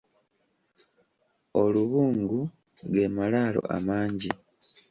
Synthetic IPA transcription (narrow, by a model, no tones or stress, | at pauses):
o̞luβuːŋɡu | ɡe̞malaːlo̰ʔa̰maːɲɟi